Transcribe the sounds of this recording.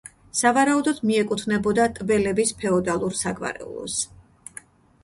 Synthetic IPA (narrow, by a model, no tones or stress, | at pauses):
savaɾaud̪ɔd̪miɛkʼut̪ʰnɛbɔd̪at̪ʼbɛlɛbispʰɛɔd̪alˠuɾsaɡva̰ɾɛ̰ṵlˠɔ̰s